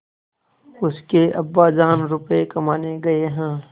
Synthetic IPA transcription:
ʊskeɐbːaːd͡ʒaːnɾʊpekɐmaːneɡɐeɦɛ̃ː

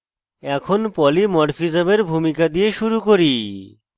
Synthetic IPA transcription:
ɛkʰonpɔlimɔɽfid͡ʑabeɾbʱumikad̪ijeʃuɾukoɾi

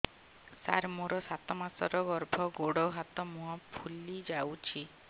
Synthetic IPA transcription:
sa̰ɾmoɾɔsat̪ɔmasɔɾɔɡɔɾbʱɔɡoɽɔɦat̪ɔmũɔpʰulid͡ʒawt͡ʃʰi

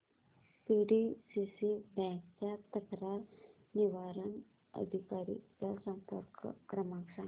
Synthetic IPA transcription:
piːɖisisibɛ̃kt͡ʃat̪ɐkɾaːɾ | niʋaːɾən | ə̰d̪ʱikaːɾḭkasɐ̃mp̪əɾkʰkɾɐmaːkʂaːn

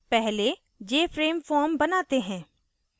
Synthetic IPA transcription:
pɛɦle | d͡ʒeːfɾeːmfɔːɾmbɐnaːt̪eɦɛ̃ː

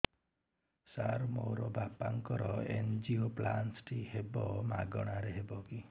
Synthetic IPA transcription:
saɾmo̰ɾɔbʱapaŋkɔɾɔend͡ʒioplansʈihebɔmaɡɔɽ̃aɾeɦebɔki

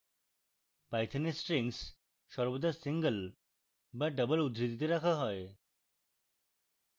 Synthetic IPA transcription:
pajt̪ʰanesʈɾeŋs | ʃɔɾbod̪ʱasiŋɡəl | baɖəbəlud̪ɾit̪it̪eɾakʰaɦɔe

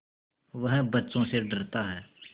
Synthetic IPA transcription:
ʋɐɦbɐtːt͡ʃõseɖɐɾt̪aɦɛː

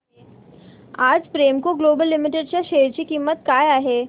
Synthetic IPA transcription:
aːd͡ʒpɾeːmkoɡloːbəlːɪmɪʈeɖʃaʃeːɾt͡ʃikiːmːət̪̚kaːjaːɦeː

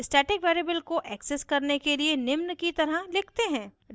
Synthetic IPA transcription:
ɪsʈɛːʈɪkʋeːɾieːbəlkoʔɛːkseskɐɾnekelienɪmnkit̪ɐɾəlɪkʰt̪eɦɛ̃ː

